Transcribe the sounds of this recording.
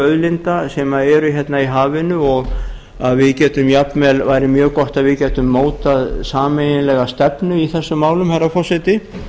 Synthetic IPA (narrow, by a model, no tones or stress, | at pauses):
œðlɪnt̪asɛːmaɛɾʏçjɛt̪naiɦaːvɪnʏɔɣ | aðvɪðcɛːt̪ʏmjapnmɛlvajɾɪmjœːɣkɔht̪aðvɪðcɛːt̪ʏmːoːwt̪aðsaːmejnɪlɛɣast̪ɛpnʏiθɛsːʏmːaːwlʏmhajɾːafɔsɛt̪ɪ